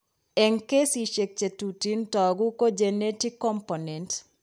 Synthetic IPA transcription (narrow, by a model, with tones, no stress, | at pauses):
ɛ˨ŋke˦si˨ʃe˨k̚t͡ʃe˨tuti˦ntɔ˨ɡu˦ko˦d͡ʒɛ˨neti˦kːɔmponɛnt